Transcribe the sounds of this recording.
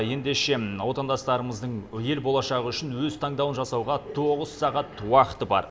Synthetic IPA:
je̞nd̪e̞ʃe̞wo̞t̪ɑnd̪ɑst̪ɑɾəməzd̪əɴje̞lbo̞lˠɑʃɑʁəʏʃɪnwɵzt̪ʰɑɴd̪ɑwənʒɑsɑwʁɑt̪ʰo̞ʁəz̥sɑʁɑt̪wɑqə̥t̪əbɑ̰ɾ

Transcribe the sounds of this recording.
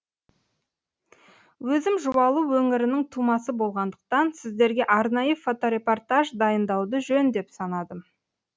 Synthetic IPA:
wɵzɪmʒuwɑlˠuwɵŋɪɾɪnɪŋt̪ʰumɑsəbo̞lˠʁɑnd̪əq̚t̪ɑnsɪzd̪e̞ɾɡʲe̞ʔɑɾnɑjəfo̞t̪o̞ɾe̞po̞rt̪aʒd̪ɑjənd̪ɑwd̪əʒɵnd̪e̞psɑnɑd̪ə

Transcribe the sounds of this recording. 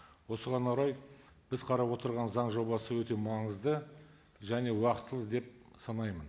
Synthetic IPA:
wo̞səʁɑnɑɾɑj | b̥ɪzqʰɑɾɑpwo̞t̪əɾʁɑnzɑɴʒo̞bɑsəwɵt̪e̞mɑɴəzd̪ə | ʒæne̞wɑqət̪ːəlˠəd̪e̞p̚ | sɑnɑjmən

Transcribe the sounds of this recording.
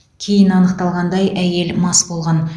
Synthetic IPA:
kʲʰe̞jɪnɑnəqt̪ɑlˠʁɑnd̪ɑjʔæje̞lmɑsbo̞lˠʁɑn

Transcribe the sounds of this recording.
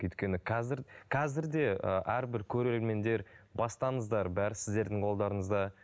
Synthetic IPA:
ʏjt̪kʲe̞nɪqʰɑzɪɾqʰɑzɪɾd̪e̞ə̰ʔæɾbɪɾkʲʰɵɾeɾe̞ɾme̞nd̪e̞ɾbɑst̪ɑɴəzd̪ɑɾbæɾɪsɪzd̪e̞ɾd̪ɪɴqʰo̞lˠd̪ɑɾəɴəzd̪ɑ

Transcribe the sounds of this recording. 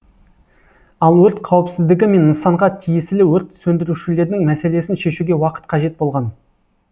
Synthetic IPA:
ɑlˠwɵɾt̪qʰɑwɪpsɪzd̪ɪɡʲɪme̞nənsɑɴʁɑt̪ʰijɪsɪlɪwɵɾt̪sɵnd̪ɪɾuʃɪle̞ɾd̪ɪŋmæse̞le̞sɪnʃe̞ʃuɡʲe̞wɑqə̥t̪̚qʰɑʒe̞t̪̚bo̞lˠʁɑn

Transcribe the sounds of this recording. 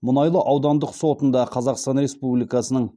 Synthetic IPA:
mʊnɑjlˠəʔɑwd̪ɑnd̪əqso̞t̪ənd̪ɑqʰɑzɑqst̪ɑnɾe̞spublijkɑsənəɴ

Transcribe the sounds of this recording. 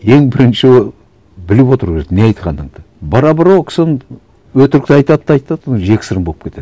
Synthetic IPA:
je̞ŋbɪɾɪnʃɪ | bɪlɪpwo̞t̪əɾkʲe̞ɾek̪ne̞ɑjt̪qʰɑnd̪əɴd̪ɑ | bɑɾɑbɑɾwokʲʰɪ̥sɪ | wɵt̪ɪɾɪk̚t̪ɑjt̪ɑt̪ːɑɑjt̪ːɑonʒe̞kʲɪ̥sɪɾəmbo̞lˠəpkʲe̞t̪e̥

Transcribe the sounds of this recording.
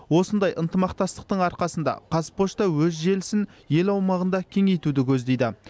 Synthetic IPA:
wo̞sənd̪ɑjʔənt̪əmɑq̚t̪ɑst̪ə̥q̚t̪əɴɑɾqɑsənd̪ɑ̰qʰɑzpo̞ʃt̪ɑwɵzʒe̞lɪsɪnje̞lɑwmɑʁənd̪ɑkʲʰe̞ŋe̞jt̪ud̪ɪkʲʰɵzd̪e̞jd̪ɪ

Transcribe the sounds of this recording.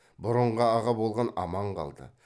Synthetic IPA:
bʊɾəɴʁɑɑʁɑbo̞lˠʁɑnɑmɑɴqʰɑ̰lˠd̪ə̰

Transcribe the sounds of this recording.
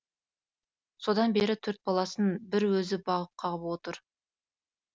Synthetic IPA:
so̞d̪ɑnbe̞ɾɪt̪ʰɵɾt̪̚bɑlˠɑsənbɪɾwɵzɪbɑʁəp̚qʰɑʁəpwo̞t̪əɾ

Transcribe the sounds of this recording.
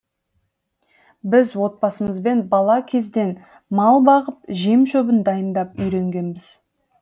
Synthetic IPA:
bɪzwo̞t̪̚pɑsəməzbe̞nbɑlˠɑkʲʰe̞zd̪e̞n | mɑlˠbɑʁəp̚ʒimʃɵbənd̪ɑjənd̪ɑpʏjɾe̞ŋɡʲe̞nbɪz

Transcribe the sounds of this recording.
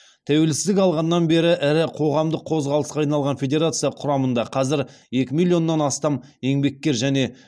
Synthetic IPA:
t̪ʰæwe̞lsɪzd̪ɪkɑlˠʁɑnːɑnbe̞ɾɪʔɪɾɪqʰo̞ʁɑmd̪əqʰːo̞zʁɑlˠəsqɑːɑjnɑlˠʁɑnfʲe̞dʲe̞ɾat̪sɨjɑqʰʊɾɑmənd̪ɑqʰɑzɪɾ | je̞kʲɪmilʲˠijo̞nːɑnɑst̪ɑm | e̞ŋbe̞k̚ʲːe̞ɾʒæne̞

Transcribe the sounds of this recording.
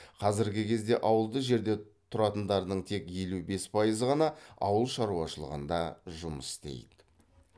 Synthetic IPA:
qʰɑzɪɾɡʲɪkʲʰe̞zd̪e̞ʔɑwəlˠd̪əʒe̞ɾd̪e̞t̪ʰʊɾɑt̪ənd̪ɑɾd̪əɴt̪ʰe̞kʲje̞lube̞spʰɑjəzəʁɑnɑɑwəlˠʃɑɾuɑʃəlˠə̰ʁə̰nd̪ɑʒʊməsst̪e̞̰jd̪ɪ̥

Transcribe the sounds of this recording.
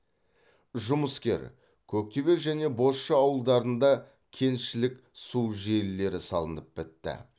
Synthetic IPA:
ʒʊməskʲe̞̰ɾ | kʲʰɵk̚t̪e̞be̞ɾʒæne̞bo̞sʃəɑwəlˠd̪ɑɾənd̪ɑ | kʲʰe̞nʃɪlɪkʲ | suwʒelːe̞ɾɪsɑ̰lˠənəp̚bɪt̪ːɪ̰

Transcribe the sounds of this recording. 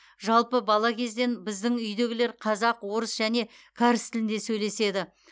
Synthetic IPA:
ʒɑlˠpəbɑlˠɑkʲʰe̞zd̪e̞nbɪzd̪ɪŋʏjd̪e̞ɡʲɪle̞ɾqʰɑzɑqwo̞ɾəsʒ̥æne̞ | kʲʰɑɾɪst̪ʰɪlɪnd̪e̞sɵjle̞se̞d̪ɪ

